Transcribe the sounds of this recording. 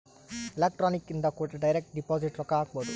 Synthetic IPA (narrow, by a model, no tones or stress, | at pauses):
ɪlek̚ʈɾoːnikːind̪ɐkoːʈɖɐjɾek̚ʈ̚ɖipoːziʈɾɔkaːkboːd̪u